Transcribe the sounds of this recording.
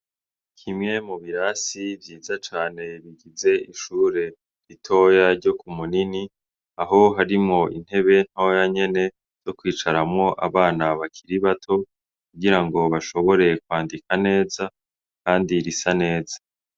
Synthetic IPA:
kʰimŋe̞muβiɾaːsivjiːzat͡ʃaːne̞βiɡize̞iʃuːɾe̞ | ɾitʰo̞ːjaɾɟo̞kumunini | aɦo̞ɦaɾimŋo̞ḭn̥he̞βe̞n̥hojaɲe̞ne̞ | z̥o̞kwiːt͡ʃaɾamŋo̞ʔa̰βaːnaβakʰiɾiβatʰo̞ | kuɡiɾaŋɡo̞βaʃo̞βo̞ɾe̞kwaːndikane̞ːza | kaːndiɾisane̞ːzḁ

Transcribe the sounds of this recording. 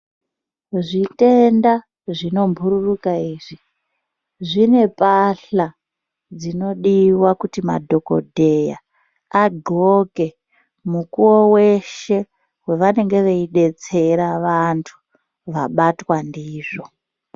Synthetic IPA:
ʐite̞nda | ʐino̞mbʱuɾurukaiːʐi | ʐine̞paɬa | d͡zino̞ɗiwakutima̰dʱo̞ko̞̰dʱe̞ja̰ | aɡʱoke̞ | mukuwowe̞ʃe̞ | we̞ʋane̞ŋɡe̞ʋeiɗe̞t͡se̞ɾaʋantʰu̥ | ʋaɓatwandiːʐo̞

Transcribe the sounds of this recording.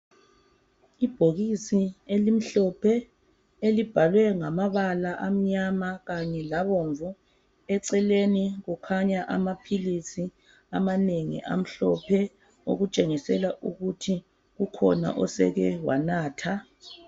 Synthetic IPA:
ib̥ʱoɣisielim̩ɬɔpʰɛ | elib̥ʱalwɛŋamaβalaʔam̩ɲamaɣaɲɛlaβɔɱvu | ɛǀɛleniɣukʰaɲaʔa̰mapʰilisi | a̰maneŋḭʔa̰m̩ɬɔpʰɛ | o̰ɣut͡ʃʼeŋisɛlaʔuɣutʰi | ɣukʰɔ̰na̰ʔɔsɛ̰ɣɛwa̰naːtʰa

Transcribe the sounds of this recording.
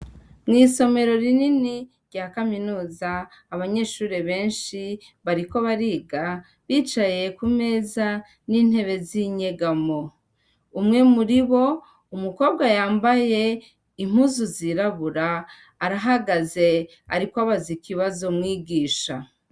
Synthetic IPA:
mŋiːso̞me̞ɾo̞ɾininiɾɟaːkaminuːzaː | βaɲe̞ʃuːɾeβe̞ːnʃi | βaɾiko̞βaɾiːɡa | βiːt͡ʃaje̞kume̞ːza | niːn̥he̞βe̞ziɲe̞ɡamo | umŋe̞muɾiβo̞ | umuko̞ːb̚ɡwajaːmbaje̞ | im̥huːzuziɾaβuɾaː | ɾaɦaɡaze̞ | aɾikwaβazikiβazo̞mŋiːɡiːʃa

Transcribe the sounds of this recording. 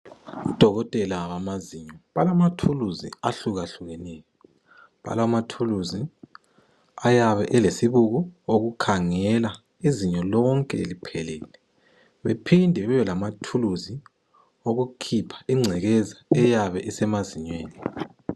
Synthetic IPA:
ud̥ʱɔɣɔtʼɛlaβamaziɲɔβalamatʰuluzḭaɬuɣaɬuɣɛnɛːjɔ | βa̰lamatʰuluzi | ajaβɛʔɛlesiβuɣuoɣukʰaŋɛla | iziɲɔlɔŋkʼɛlipʰɛlɛːlɛ | βepʰindʱɛβɛjɛlamatʰuluzi | oɣukʰipʰḁiŋ͡ǀʱɛɣɛzaɛjaβɛʔɛsɛmaziɲweːni

